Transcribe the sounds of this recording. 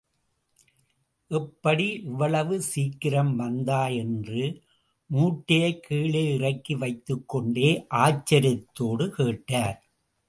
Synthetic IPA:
ʔɛpːɐɽiʔɪʋɐɭɐʋɯsiːkːɪɾɐmʋɐnd̪aːjɛndrɯ | muːʈːɪjɐɪkːiːɭeːɪrɐkːiʋɐɪt̪ːɯkːɔɳɖeːʔaːt͡ʃːɐɾɪt̪ːoːɽɯkeːʈːaːɾ

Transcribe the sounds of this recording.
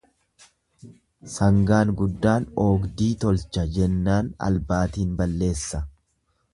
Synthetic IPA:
sɐŋɡaːnɡʊd̪ːaːnoːɡd̪iːt̪ɔlt͡ʃːɐd͡ʒɛnːaːnɐ̰lbaːt̪iːnbɐlːe̞ːsːɐ

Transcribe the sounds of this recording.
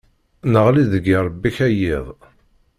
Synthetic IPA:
nəʁliðəɡiɾˤəbːiçæjiðˤ

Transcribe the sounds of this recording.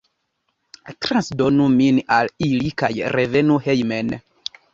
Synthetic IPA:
t̪ɾansdonuminalilikajɾevenuhejmen

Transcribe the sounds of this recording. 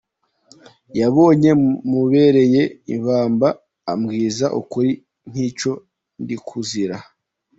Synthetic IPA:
jaβo̞ːɲe̞muβe̞ɾe̞je̞ḭβaːmbaː | mɡiːzaʔṵkuɾi | n̥hiːt͡ʃo̞ | ndikʰuziɾa

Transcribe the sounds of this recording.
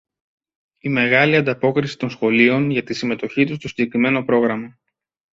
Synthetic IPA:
ime̞ɣɐliɐnd̪ɐpo̞kɾisi̥t̪o̞nsxo̞lio̞nʝɐt̪isime̞t̪o̞çit̪ust̪o̞siɲɟe̞kɾime̞no̞pɾo̞ɣɾɐmɐ

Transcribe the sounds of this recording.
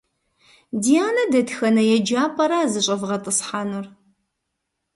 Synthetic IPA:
dijaːnɐdɐtxɐnɐjɛd͡ʒaːpʼɐɾaːzɨɕʼɐvʁɐtʼɨsħaːnur

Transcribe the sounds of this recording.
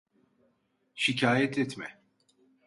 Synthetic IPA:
ʃicʰaːjɛt̪ʰɛt̪mɛ̰

